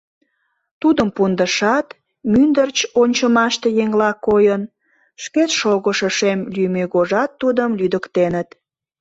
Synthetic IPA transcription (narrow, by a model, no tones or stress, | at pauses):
t̪ud̪əmpund̪əʃɑt̪ | mynd̪ərt͡ɕonʲt͡ɕəmɑʃt̪e̽jeŋlɑkojən | ʃket̪ʃoɣəʃəʃemlymeɣoʒɑt̪ːud̪əmlyd̪əkt̪enət̪